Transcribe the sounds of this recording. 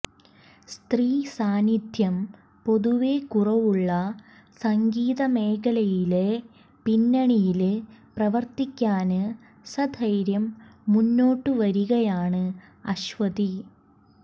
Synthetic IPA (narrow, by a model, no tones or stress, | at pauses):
st̪riːsaːnid̪ʱjɐm | po̞ðuʋekurɐʋuɭːɐ | sɐŋɡiːðɐme̞ːkʰɐlɐjile | pinːɐɳijilprɐʋɐrt̪ikʲːaːnɨ | sɐd̪ʰʱɐjɾjɐmːunːo̞ːʈːɨʋɐɾuɣɐjaːɳɨ | ɐɕʋɐði